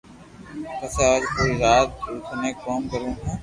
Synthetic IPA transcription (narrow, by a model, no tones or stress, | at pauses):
kəseːaːd͡ʒkoːiːzaːt̪̚ːuːt̪ʰnẽːkoːmkəɾẽː